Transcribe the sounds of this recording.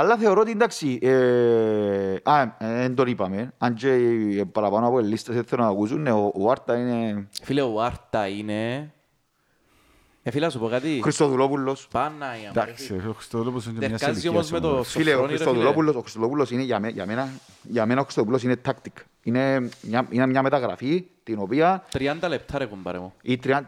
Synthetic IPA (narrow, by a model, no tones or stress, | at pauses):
ɐlːɐθe̞oɾot̪ind̪aksiʔe | aend̪onipɐmenand͡ʒepɐɾɐpanoɐpoelːist̪ɐseθelonakusunːeoʔoaɾt̪ɐinefileoaɾt̪ɐine | efilsupokat̪ixɾist̪oðulopulːospanːɐɐd̪aksioxɾist̪oðulopulːosiɲd͡ʒemɲasaziomozmet̪ofileoɾist̪oðulopulːosoxɾist̪olopulːosineʝameja̰menɐ | jamenaoxɾist̪opulːos̬inet̪ʰːakt̪ik | ineɲainemɲɐmet̪ɐɣɾa̰fit̪inopiɐt̪ɾiɐnd̪ɐlep̚t̪ʰɐɾekumbɐ̰ɾḛmoit̪ɾia